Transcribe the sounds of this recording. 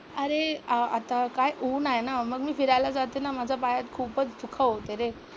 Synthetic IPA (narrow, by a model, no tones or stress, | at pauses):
əɾeəat̪akajʔunajnaməɡmiːfiɾajlad͡zat̪enamad͡zʱapajat̪kʰuːpət͡sd̪ukʰaot̪eɾe